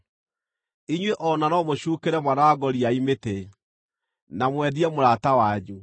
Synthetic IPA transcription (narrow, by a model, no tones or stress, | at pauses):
iɲweʔɔnanɔmoɕuːkeɾɛmwanawaɡɔɾiaimete | namwɛdiɛmoɾatawaɲu